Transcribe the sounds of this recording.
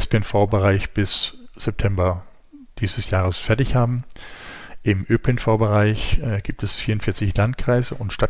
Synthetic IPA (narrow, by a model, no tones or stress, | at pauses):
ɛspeɛnfaʊbəʁaɪçb̥ɪsz̥ɛp̚tʰɛmbɐ | d̥iːzəsjaːʁ̞əsfɛɐtɪçhaːbm̩ | ʔɪmʔøːpʰɪnfaʊbəʁaɪçʔɛɡ̥iːp̚tɛsfiːɐʁʊntfɪɐt͡sɪçlantkʁ̥aɪzəʔʊntʃtat